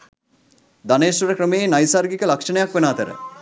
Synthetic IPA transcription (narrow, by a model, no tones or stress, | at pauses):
d̪aneːsʋɐɾəkrəmeenajsaɾɡikəlakʂənəjakʋenaːt̪əɾə̰